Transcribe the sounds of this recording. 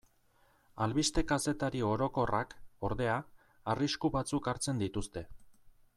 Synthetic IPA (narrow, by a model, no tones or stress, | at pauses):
alβist̪e̞kase̞t̪aɾio̞ɾo̞ko̞rʔako̞ɾðe̞aː | riskuβat͡sukaɾt͡se̞nd̪it̪ust̪e̞